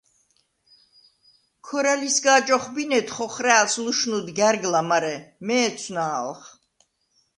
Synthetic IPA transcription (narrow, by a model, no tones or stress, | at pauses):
kʰɔɾalisɡaːt͡ʃʼɔχbinɛt̪χɔχɾɛːsluʃnud̪ɡɛɾɡlamaɾɛmɛːt̪sʰnaːlχ